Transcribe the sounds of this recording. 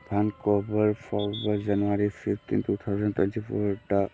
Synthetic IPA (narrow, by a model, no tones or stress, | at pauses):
t̪ʰankobəɾfɔɾbad͡ʑanuaɾifift̪ḭnt̪ut̪ʰawzə̃nt̪wɛ̰nʈifo̰ʈa